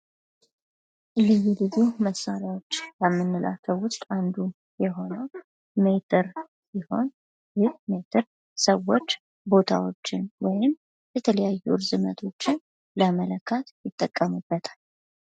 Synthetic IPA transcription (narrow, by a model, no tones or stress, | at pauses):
lɨjːulɨzuməsːaɾjawo̞t͡ʃːləmːɨnːɨlʔa̰t̪ʰəwwʊst̪ʼand̪u | jɛɦo̞nəw | met̪ʰɨɾ | siho̞n | jɨmet̪ʰɨɾ | səwːot͡ʃː | bo̞t̪ʰa̰wo̞t͡ʃːɪnwɔjɪm | jɛt̪ʰələjajːuɾzɨmət̪ʰo̞t͡ʃːɪn | ləmələkʰːat̪jɪt̪ʼːəkʼːəmubːət̪ʰḁl